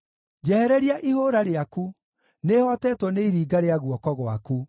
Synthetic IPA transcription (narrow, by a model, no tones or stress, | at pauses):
d͡ʑɛhɛɾɛɾiaʔihoɾaɾeaku | nehɔtɛːtwɔneiɾiːɡaɾeaɣwɔkɔɣwa̰ku